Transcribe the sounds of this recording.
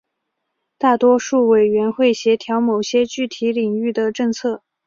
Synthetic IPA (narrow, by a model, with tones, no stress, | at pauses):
t̪a˥˩t̪wɔ˥ʂu˥˩we˨˩ɪɥɛ˧˥nxwe˥˩ɪɕjɛ˧˥t̪ʰjɑ˧˥ʊmo˨˩ʊɕjɛ˥t͡ɕy˥˩t̪ʰi˧˥li˨˩ŋy˥˩d̪ə˩ʈ͡ʂɤ˥˧ŋt͡sʰɤ˥˩